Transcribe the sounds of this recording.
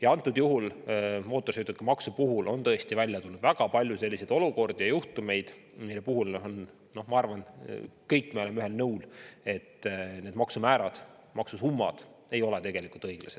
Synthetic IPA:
jɑɑnt̪ːˑud̪̥juɦulmo̞ːt̪ːˑosyt̪ut̪kɑmɑksupuɦulo̞nt̪ɤ̞est̪ivælʲjɑt̪ulnud̪væɡ̥ɑpɑlʲjuse̞lʲːised̪o̞luko̞rd̪̥ijɑjuht̪ume̞jd̪̥ | milːepuɦulon | no̞hmɑɑrvɑnkɤjkːˑmɑo̞lemːyɦhelnɤwle̞t̪ːne̞ːd̪mɑksumæːɾɑd̪̥ | mɑksusumːɑ̰d̪̥ | e̞jo̞let̪e̞ɡ̥e̞likult̪ɤjɡ̥lɑ̰se̞d̥̪

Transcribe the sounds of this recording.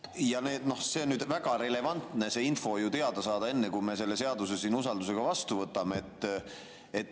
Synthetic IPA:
jɑne̞ːd̪no̞hse̞onyːd̪væɡ̥ɑɾe̞le̞vɑnt̪ne̞se̞ːinfo̞jut̪e̞ɑd̪̥ɑsɑːd̪̥ɑe̞nːekujme̞se̞lːe̞se̞ɑd̪usesiːnusɑld̪use̞ɡ̥ɑvɑst̪uvɤt̪ːˑɑmeet̪ˑː | et̪ː

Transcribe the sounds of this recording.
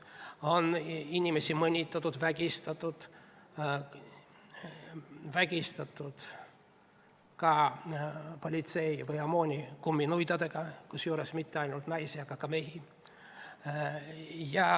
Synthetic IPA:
o̞ninʲime̞simɤnʲit̪ːˑɑt̪ːud̪væɡ̥ʲist̪ɑt̪ːˑud̪̥ | væɡ̥ʲist̪ɑt̪ːˑud̪̥ | kɑ | po̞lʲit̪se̞jvɯjɑmo̞ːnʲikumːinujd̪ɑd̪e̞ɡ̥ɑkusjuːɾesmit̪ːeɑjnult̪nɑjsiɑɡ̥ɑkɑme̞ɦi | jɑ

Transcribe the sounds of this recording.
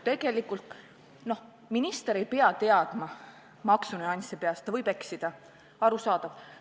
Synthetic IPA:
t̪e̞ɡ̥e̞likːˑult̪ | no̞h | minist̪eɾe̞jpeɑt̪e̞ɑd̪̥mɑ | mɑksuneɑnʲsʲɑpeɑst̪ɑvɤjb̥e̞ksid̪̥ɑ | ɑɾusɑːd̪̥ɑv

